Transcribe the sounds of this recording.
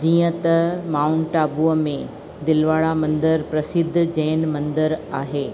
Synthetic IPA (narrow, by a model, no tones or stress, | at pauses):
d͡ʑiːə̃t̪ɐmaːʊnʈaːbuəmẽ | d̪ɪlʋaːɭamɐ̃nd̪əɾpɾɐsɪd̪ʱːd͡ʑɛ̃ːnmɐ̃nd̪əɾaːɦeː